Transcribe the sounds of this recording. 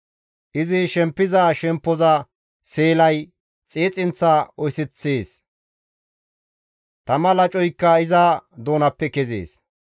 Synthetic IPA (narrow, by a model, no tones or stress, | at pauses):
ʔɪzɪʃɛmpːɪzɐʃɛmpːɔzɐ | seːlɐj | t͡sʼeːt͡sʼɪnt͡sːɐɔjsɪt͡sːeːs | t̪ɐmɐlɐt͡ʃʼɔjkːɐɪzɐd̪o̞ːnɐpːɛkɛzḛːs